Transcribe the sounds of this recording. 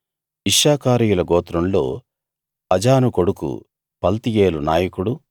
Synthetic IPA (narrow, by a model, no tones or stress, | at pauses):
iʂːaːkaːɾiːjulɐɡɔːt̪ɾɐmlo̞ː | ɐd͡ʒaːnuko̞ɽukṵ | pɐlt̪ijeːlunaːjɐkuɽu